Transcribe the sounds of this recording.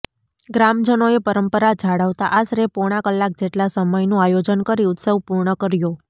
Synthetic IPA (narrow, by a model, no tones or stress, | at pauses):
ɡɾamd͡ʒənoepəɾəmpəɾad͡ʒʱaɽaʋt̪aʔasɾepoɽ̃akəlːak̚d͡ʒeʈlasəməjnũajod͡ʒənkəɾiʊt̪səʋpuɾɳəkəɾjo